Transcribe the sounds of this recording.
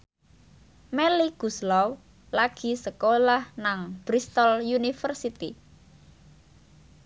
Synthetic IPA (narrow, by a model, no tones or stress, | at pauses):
meliɡ̥uslaw | laɡ̥i̤səkolahnaŋb̥ɾist̪ɔljunifərsit̪ḭ